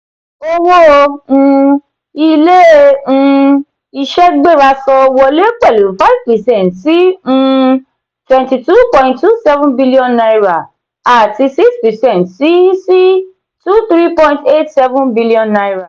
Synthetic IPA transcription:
o˦wo˦ũ˧ | i˧lẽ˦˧ | i˧ʃɛ˦ɡ͡be˦˨ɾa˧sɔ˧wɔ˧le˦k͡pɛ˦˨lu˨fa˦i˦vpɛ˨sɛ̃˦˨ntsĩ˦˧ | twɛ̃˨nti˧tu˦pɔ̃˧ĩntːu˦sɛ˦vũ˦nbi˦li˦ɔ̃˧nna˧jɾa˨ | a˨ti˧si˦kspɛ˨sɛ̃˦˨ntsi˦si˦ | tu˦t̪ɾi˦pɔ̃˧ĩnte˦tsɛ˦vũ˦nbi˦li˦ɔ̃˧nːa˧jɾa˨

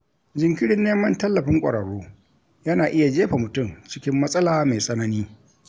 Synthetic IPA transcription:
d͡ʒɪ˨ŋkʲɪ˦ɽɪ˦nːeː˦mɐ˦ntɐ˦lːɐ˨ɸɪ˦ŋkʷʼɐ̰˨ɽɐ˨ɽoː˦ | jɐ˦naː˨ʔɪ˦ja˨d͡ʒeː˦ɸa˨mʊ˨tʊ˦˨mt͡ʃɪ˦kʲɪ˦mːɐ˦sʼɐ˦laː˨ma˨jsʼɐ˦nɐ˦niː˦

